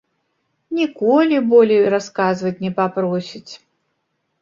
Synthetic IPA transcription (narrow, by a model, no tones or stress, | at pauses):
nʲikɔlʲibɔlʲejɾaskazvɐt͡sʲnʲɛpapɾɔsʲit͡sʲ